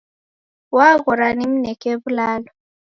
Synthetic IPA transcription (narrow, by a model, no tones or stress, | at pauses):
waɣɔɾanim̩nɛkeβulaːlɔ